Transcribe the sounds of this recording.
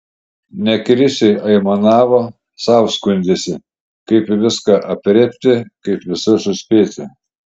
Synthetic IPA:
nʲɛkɾʲɪsʲɛɪʔɐɪmɐnɑːʋoː | sɑˑʊskʊnʲd̪ʲesʲɪ | kɐɪpʋʲɪskɑʔɐpʲɾʲɛpʲt̪ʲɪkɐɪpʋʲɪsʊsʊsʲpʲeːt̪ʲɪ

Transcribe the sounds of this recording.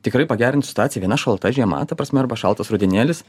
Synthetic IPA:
t̪ʲɪkɾɐɪpɐɡʲæːɾʲɪnt̪sʲɪ̥t̪ʊɑːt̪ʲɪjɛʋʲiɛnɐʃɐlˠt̪ɐʒʲiɛmɐ̰t̪ɐpɾɐsʲmʲɛɪɾbɐʃɑ̰lˠt̪ɐsɾʊd̪ʲɪnʲeɛlʲɪs

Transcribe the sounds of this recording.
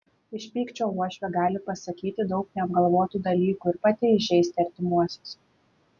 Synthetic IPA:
ɪʃʲpʲiːkt͡ʃʲoːuɔʃʲʋʲɛɡɑːlʲɪpɐsɐkʲiːt̪ʲɪd̪ɒʊknʲɛɐb̚ɡɐlˠʋoːt̪uːd̪ɐlʲiːkuːɪɾpɑːt̪ʲɪɪʒʲɛɪst̪ʲɪɐɾʲt̪ʲɪmuɔsʲos

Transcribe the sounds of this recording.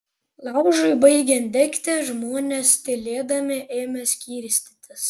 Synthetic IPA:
lˠɑʊʒʊɪbɐɪɡʲɛnd̪ʲɛkʲt̪ʲɛʒmoːnʲɛst̪ʲɪlʲeːd̪ɐmʲɪʔeːmʲɛsʲkʲiːɾʲsʲt̪ʲɪt̪ʲɪs

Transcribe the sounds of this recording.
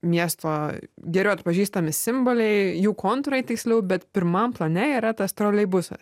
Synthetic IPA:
mʲiɛst̪oːɡʲɛɾʲɛʊɐt̪̚pɐʒʲiːst̪ɐmʲɪsʲɪmboːlʲɛɪjuːkoːnt̪ɾɐɪt̪ʲɪksʲlʲɛʊbʲɛt̪pʲɪɾmɐmplˠɐnʲɛiːɾɐt̪ɐst̪ɾoːlʲɛɪbʊsɐ̰s

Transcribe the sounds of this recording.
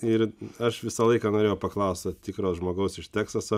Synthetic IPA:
ɪɾɐʃʋʲɪsɐlˠɐɪkɐnoːɾʲeːjɛʊpɐklˠɐʊst̪ɐt̪ʲɪkɾoːsʒmoːɡɐʊsɪʃt̪ʲæːksɐsɐ

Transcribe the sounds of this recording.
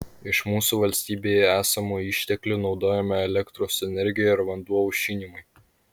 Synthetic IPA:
ɪʃmuːsuʋɐlʲsʲt̪ʲiːbʲeːjɛæːsɐmuːɪʃʲt̪ʲɛklʲuːnɒʊd̪oːjɛmʲɛɛlʲɛkt̪ɾoːsɛnʲɛɾʲɡʲɪjɛɪɾʋɐnd̪uɔʊʃʲiːnʲimʊɪ

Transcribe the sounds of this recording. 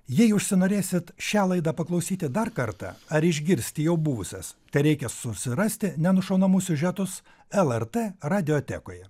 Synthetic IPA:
jɛɪʊʃʲsʲɪnoːɾʲeːsʲɪt̪ʃʲæːlˠɐɪd̪ɑːpɐklˠɐʊsʲiːt̪ʲɪd̪ɐɾkɐɾt̪ɑ̰ɐɾɪʒʲɡʲɪɾʲsʲt̪ʲɪjɛʊbuʋʊsʲɛst̪ɐɪɾʲɛɪkʲɛsʊsʲɪɾɐsʲt̪ʲɪnʲɛnʊʃɐʊnɐmʊsʲʊʒʲɛt̪ʊs | ɛlˠɛɾt̪eːɾɑːd̪ʲɪjoːt̪ʲɛ̰ːkoːjɛ

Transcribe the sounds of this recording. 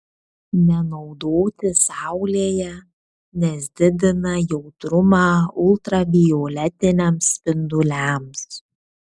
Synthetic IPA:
nʲɛnɒʊd̪oːt̪ʲɪsɑˑʊlʲeːjɛ | nʲɛsʲd̪ʲɪd̪ʲɪnɐjɛʊt̪ɾʊmɑːʊlˠt̪ɾɐbʲɪjoːlʲɛt̪ʲɪnʲɛmsʲpʲɪnd̪ʊlʲæms

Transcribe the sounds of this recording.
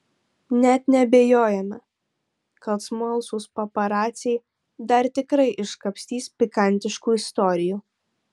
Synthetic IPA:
nʲɛt̪nʲɛɐbʲeːjoːjɛmɐ | kɐlˠt̪smuɔlˠsuːspɐpɐɾɑːt̪sʲɛj | d̪ɐɾt̪ʲɪkɾɐɪʔɪʃkɐpʲsʲt̪ʲiːspʲɪkɐnʲt̪ʲɪʃkuːɪst̪ɔːɾʲɪjuː

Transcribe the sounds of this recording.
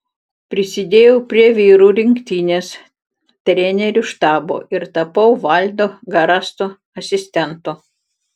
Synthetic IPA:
pʲɾʲɪsʲɪd̪ʲeːjɛʊpʲɾʲiɛʋʲiːɾuːɾʲɪŋʲkt̪ʲiːnʲeːs | t̪ʲɾʲɛnʲɛɾʲʊʃt̪ɑːbo̰ːʔɪɾt̪ɐpɐʊʋɐˑlʲd̪oːɡɐɾɑst̪o | ɐsʲɪsʲt̪ʲɛnt̪ʊ

